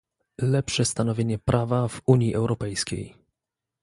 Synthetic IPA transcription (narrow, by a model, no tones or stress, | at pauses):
lɛpʂɛst̪anɔvʲjeɲɛpɾʔavavuɲjiʔɛwɾɔpɛjskʲḛj